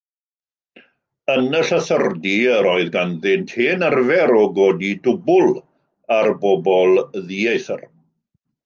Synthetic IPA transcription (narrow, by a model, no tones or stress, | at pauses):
ənəɬəθərdiəɾoɨðɡanðɪntʰeːnarvɛɾɔɡoːdidʊbʊlˠ | arbɔbɔlˠðiejθər